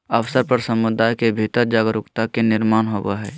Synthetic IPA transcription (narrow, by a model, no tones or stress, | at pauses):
əʋsəɾpəɾsəmʊd̪aːjkebʱit̪əɾd͡ʒaːɡəɾʊkt̪akenɪɾmaːnɦoːba̰ɦɛː